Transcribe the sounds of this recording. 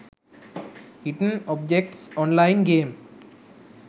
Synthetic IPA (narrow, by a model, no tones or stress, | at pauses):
hɪʈənɔːb̚d͡ʒek̚ʈsɔ̃ːnlaɪnɡẽːm